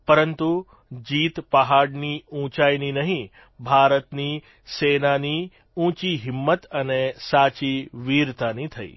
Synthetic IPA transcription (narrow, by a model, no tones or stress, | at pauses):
pəɾənt̪u | d͡ʒiːt̪pəɦaɽniũt͡ʃajninəɦĩ | bʱaɾət̪ni | senani | ũt͡ʃiɦɪmːət̪ənesat͡ʃiʋiɾt̪anit̪ʰə̰ḭ